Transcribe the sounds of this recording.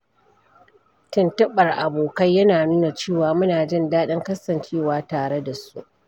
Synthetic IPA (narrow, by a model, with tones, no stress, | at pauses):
tɪ˨ntɐ˦ɓɐ˨rʔa˨boː˨kɐ˦jːɐ˦naː˨nuː˦na˨t͡ʃeː˦˨waː˨mʊ˦naː˨d͡ʒɪ˦˨ndaː˦ɗɪ˦ŋkɐ˦sɐ˨nt͡ʃeː˦˨waː˦taː˨ɽe˦da˨sṵ˦ʔ